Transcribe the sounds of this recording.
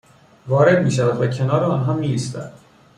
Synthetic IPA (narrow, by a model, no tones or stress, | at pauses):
vɒːɾe̞d̪miːʃævæd̪væcʰe̞nɒːɾeɒːnɦɒːmiːist̪æ̰d̪̥